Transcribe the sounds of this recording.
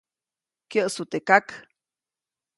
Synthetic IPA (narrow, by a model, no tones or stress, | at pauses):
kjəʔsut̪ekak